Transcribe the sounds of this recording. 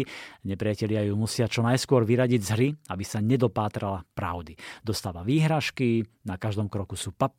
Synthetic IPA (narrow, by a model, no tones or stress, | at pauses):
ɲɛpɾɪacɛʎɪajumusɪat͡ʃɔnajskʊɔɾʋiɾaɟiɟzɦɾiabisaɲɛd̪ɔpaːt̪ɾalapɾa̰ʊd̪id̪ɔst̪aːʋaʋiːɦɾaʃkinakaʒd̪ɔmkɾɔkusuːpap